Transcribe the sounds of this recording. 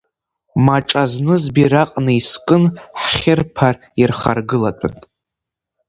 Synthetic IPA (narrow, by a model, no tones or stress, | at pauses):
maʈ͡ʂʼaznɨzbiɾaqʼnɨiskʼɨnħχʲɪrpʰar | irχa̰rɡɨlatʷʰʼanʼ